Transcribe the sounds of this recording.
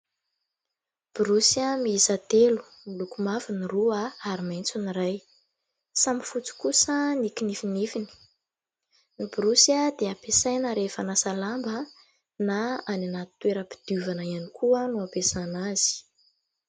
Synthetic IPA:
b̥iɾusiamiizat̪elu̥ | milukumaviniruaaɾimajnt͡suniraj | samifut͡si̥kusənikinifinifini̥ | nibɾusəd̪eapesajnəɾefanasalambə | naananat̪t̪weɾəpi̥d̪̥uvanaianikʰuənuapesanaz̥i̥

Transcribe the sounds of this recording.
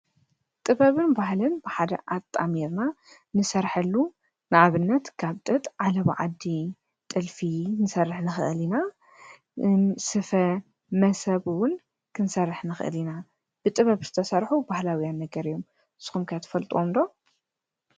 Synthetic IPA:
t̪ʼɨβɐβɨnbaɦlɨnb̥ɨħad̪ɐ̰ʔat̪ʼːamiɾna | nɨsɐɾħɐlːu | nɨʕaβɨnːɐt̪kʰaβt̪ʼɨt̪ʼʕalɐβ̰ʕa̰d̪i | t̪ʼɨlfinɨsɐrːɨħnɨxɨ̰ʔɨlina | sɨfɐ | mɐsɐβɨwʊn | kʰɨnsɐrːɨħnɨxɨʔɨ̰lina | b̥ɨt̪ʼɨβɐβz̥ɨ̥t̪ʰɐsɐɾħubahlawijanːɐɡɐɾɨjːom | ɨz̥ɨ̥xumkʰɨjat̪ʰɐ̥fɐlt̪ʼuwomd̪o

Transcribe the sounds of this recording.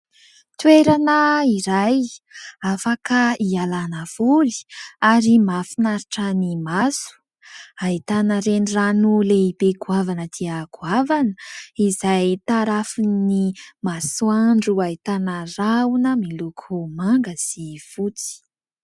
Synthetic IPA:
t̪weɾanəiɾajafakəialanəv̥uli̥aɾimafinaɾiʈ͡ʂənimasu̥ | ait̪anəɾeniranuleibeɡuavanəd̪̥iaɡuavanəizajt̪aɾafunimasuaɳɖ͡ʐuait̪anəraunəmilukʰumaŋɡəsifut͡si̥

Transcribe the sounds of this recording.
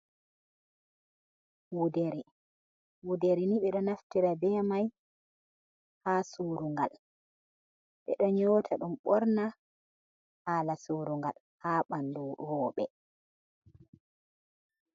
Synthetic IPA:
wudɛɾɛ | wudɛɾɛniɓɛɗɔnaftiɾabɛːmaj | hasuɾuŋɡa̰l | ɓɛ̰ɗɔɲɔːtʰaɗumɓɔɾna | haːlasuɾuŋɡa̰l | haːɓanduwɔːɓɛ̰

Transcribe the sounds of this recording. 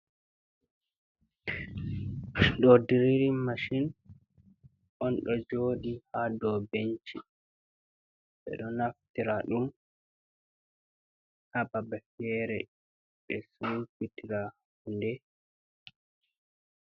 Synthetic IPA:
dɔdiɾiɾimaʃin | ʔɔnɗɔd͡ʒoːɗihadɔbeɲt͡ʃi | ɓɛ̰ɗɔnaftiɾaɗum | hababɛfɛɾɛ̰ | ɓɛsufitiɾa | hundɛ

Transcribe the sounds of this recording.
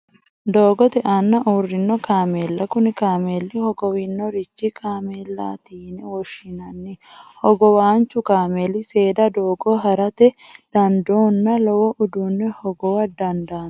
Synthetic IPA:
d̪o̞ːɡɔt̪ɛʔanːɐʔuːrːɪnːɔkaːmeːlːɐkʊnɪkaːmelːɪhɔɡɔwɪnːɔɾɪt͡ʃːikʰaːmeːlːa̰ːt̪iːnɛwɔʃɪnɐnːɪhɔɡɔwaːnt͡ʃːʊkaːmelɪse̞ːd̪ɐd̪oːɡɔɦɐɾɐt̪ɛd̪̥ɐnd̪oːnːɐlɔwɔʔʊd̪uːnːɛhɔɡɔwɐd̪ɐnd̪aːn

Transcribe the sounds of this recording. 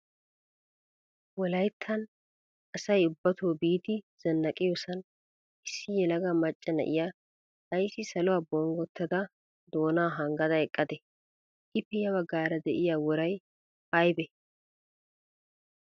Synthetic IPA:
wɔlɐjt̪ʰːɐn | ʔɐsɐjʊbːɐt̪ʰoːbiːt̪ɪz̥ɐnːɐkʼɪjosɐn | ʔɪsːɪjɛlɐɡɐmɐt͡ʃʼːɐnɐ̰ʔɪja | hɐjsɪsɐlʊwaːbɔŋɡɔt̪ːɐd̪ɐ | d̪oːnaːɦɐŋɡɐd̪ɐɛkʼːɐd̪ɛ | ʔɪpːɛjɐβɐɡːaːɾɐd̪ɛʔɪjaːwɔɾɐj | hɐjbɛ

